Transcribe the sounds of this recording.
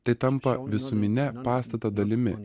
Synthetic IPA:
t̪ɐɪt̪ɐmpɐʋʲɪsʊmʲɪnʲɛpɑːst̪ɐt̪ɐd̪ɐlʲɪmʲɪ̰

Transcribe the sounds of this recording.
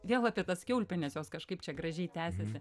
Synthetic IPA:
ʋʲeːlˠɑːpʲiɛt̪ɐskʲɛʊlʲpʲɛnʲɛsjoːskɐʃkɐɪpt͡ʃʲɛɡrɐʒʲɛɪt̪ʲæːsʲɛsʲɪ

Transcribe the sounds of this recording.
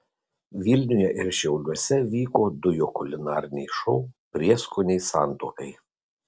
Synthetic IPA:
ʋʲilʲnʲʊjɛʔɪɾʃʲɛʊlʲuɔsʲɛʋʲiːkoːd̪ʊjoːkʊlʲɪnɑːɾʲɪnʲɛɪʃɔʊpʲɾʲiɛskʊnʲɛɪsɑˑnt̪oːkɐɪ

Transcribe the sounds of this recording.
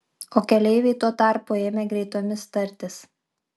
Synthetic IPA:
oːkʲɛlʲɛɪʋʲɛɪt̪oɔt̪ɑˑɾpʊeːmʲeɡɾʲɛɪt̪oːmʲɪst̪ɐɾʲt̪ʲɪs

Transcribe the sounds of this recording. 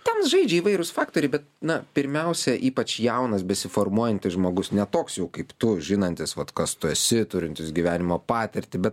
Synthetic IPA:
tʲɛnsʒɐɪd͡ʒʲɛiːʋɐɪɾʊsfɑːkt̪oːɾʲɪbʲɛt̪̚nɐpʲɪɾʲmʲɛʊsʲɛʔiːpɐt͡ʃjɛʊnɐsbʲɛsʲɪfoːɾmuɔjɛnʲt̪ʲɪsʒmoːɡʊsnʲɛt̪oːksjɛʊkɐɪpt̪ʊʒʲɪnɐnʲt̪ʲɪsʋɐt̪kɐst̪ʊɛsʲɪt̪ʊɾʲɪnʲt̪ʲɪsɡʲiʋʲæːnʲɪmoːpɑːt̪ʲɪɾʲt̪ʲɪbʲɛt̪

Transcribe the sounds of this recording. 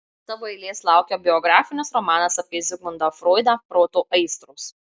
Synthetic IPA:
t̪ɐʋoːɛɪlʲeːslˠɑˑʊkʲɛbʲɪɔɡɾɑːfʲɪnʲɪsɾɔmɑːnɐsɐpʲeːzʲɪɡˠʊnd̪ɐfɾoːɪd̪ɐpɾoːt̪oːʔɐɪst̪ɾuːs

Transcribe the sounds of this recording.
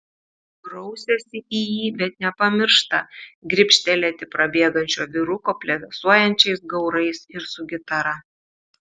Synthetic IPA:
ɡɾɔʊsʲɛsʲɪʔijiːbʲɛt̪nʲɛpɐmʲɪɾʃt̪ɐɡɾʲɪpʲʃʲt̪ʲɛlʲɛt̪ʲɪpɾɐbʲeːɡɐnʲt͡ʃʲoːʋʲɪɾʊkoːpʲlʲɛd̪ɐsuɔjɛnʲt͡ʃʲɛɪsɡɒʊɾɐɪsɪɾsʊɡʲɪt̪ɐɾɐ

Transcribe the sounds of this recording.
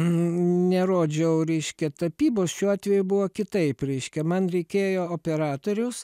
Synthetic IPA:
nʲɛɾoːd͡ʒʲɛʊɾʲɛɪʃʲkʲɛt̪ɐpʲiːboːsʃʲuːɑːt̪ʲʋʲɛjʊbʊʋoːkʲɪt̪ɐɪpɾʲɛɪʃʲkʲɛmɐnɾʲɛɪkʲeːjoːoːpʲɛɾɑːt̪oːɾʲʊs

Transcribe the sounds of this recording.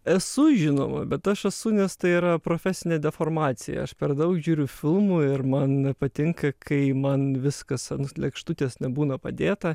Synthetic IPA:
ɛsʊʒʲɪno̰ːmɐ̰bʲɛt̪ɐʃɛsʊnʲɛst̪ɐɪiːɾɐpɾoːfʲæːsʲɪnʲeːd̪ʲɛfoːrmɑːt̪sʲɪjɛ̰ɐʃpʲɛɾd̪ɐʊkʒʲuːɾʲʊfʲɪlˠmʊɪɾmɐnpɐt̪ʲɪŋkɐkʰɐɪmɐnʋʲɪskɐsɐnʊlʲɛkʃt̪ʊt̪ʲeːsnʲɛbuːnɐpɐ̰d̪ʲeːt̪ɐ

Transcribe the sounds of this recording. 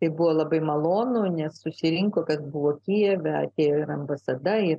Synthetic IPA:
t̪ɐɪbuʋoːlˠɐbɐɪmɐlˠoːnunʲɛssʊsʲɪɾʲɪŋkoːkɐsbʊʋoːkʲijɛʋʲɛɐ̰t̪ʲeːɪɾɐmbɐsɐd̪ɐɪ

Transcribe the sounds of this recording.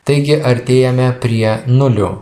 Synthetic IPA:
t̪ɐɪɡʲɪʔɐɾʲt̪ʲeːjɛmʲɛpʲɾʲiɛnʊlʲʊ

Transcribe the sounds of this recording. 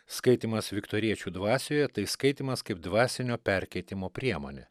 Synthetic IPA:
skɐɪt̪ʲiːmɐsʋʲɪkt̪oːɾʲiɛt͡ʃʲuːd̪ʋɑːsʲoːjɛt̪ɐɪskɐɪt̪ʲiːmɐskɐɪpd̪ʋɑːsʲɪnʲoːpʲɛɾʲkʲɛɪt̪ʲɪmoːpʲɾʲiɛmoːnʲe

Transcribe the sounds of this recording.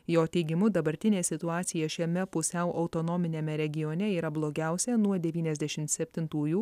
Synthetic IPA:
joːt̪ʲɛɪɡʲɪmʊd̪ɐbɐɾʲt̪ʲɪnʲeːsʲɪt̪ʊɑːt̪sʲɪjɛʃʲɛmʲɛpʊsʲɛʊʔɐʊt̪onɔːmʲɪnʲemʲɛɾʲɛɡʲɪjɔːnʲɛiːɾɐblˠoːɡʲæˑʊsʲɛnuɔd̪ʲɛʋʲiːnʲɛzʲd̪ʲɛʃʲɪmt̪sʲɛpʲt̪ʲɪnt̪uːju

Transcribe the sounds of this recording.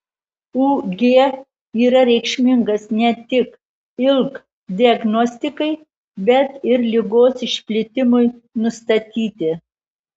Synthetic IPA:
uːɡʲeː | iːɾɐɾʲɛɪkʃʲmʲɪŋɡɐsnʲɛt̪ʲɪk | ɪlˠk | d̪ʲiɐɡnɔsʲt̪ʲɪkɐɪ | bʲɛt̪ɪɾlʲɪɡoːsɪʃʲpʲlʲɪt̪ʲɪmʊɪnʊst̪ɐt̪ʲiːt̪ʲɪ

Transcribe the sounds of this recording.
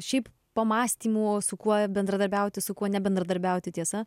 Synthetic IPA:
ʃʲɛɪp | pɐmɑːsʲt̪ʲiːmuːsʊkuɔbʲɛnd̪ɾɐd̪ɐɾʲbʲɛʊt̪ʲɪsʊkuɔnʲɛbʲɛnd̪ɾɐd̪ɐɾʲbʲɛʊt̪ʲɪt̪ʲiɛsɐ

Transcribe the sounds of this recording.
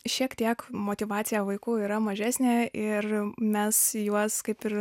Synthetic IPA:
ʃʲiɛkt̪ʲiɛkmoːt̪ʲɪʋɑːsʲɪjɛʋɐɪkuːiːɾɐmɐʒʲæːsʲnʲeːɪrmʲɛsjuɔskɐɪpɪr

